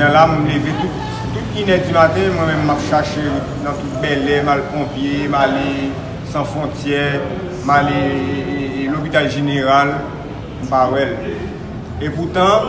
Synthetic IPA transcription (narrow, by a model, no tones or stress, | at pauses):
ãlamulevet̪ut̪ | t̪ut̪̚inɛd͡zimat̪ɛ̃mwɛ̃mɛ̃mːapʃaʃe | nãt̪ut̪̚bɛlɛmalpɔ̃pjemale | sãfʁɔ̃t͡sjɛ | male | lopit̪alʒeneʁal | m̩pawɛl | eput̪ã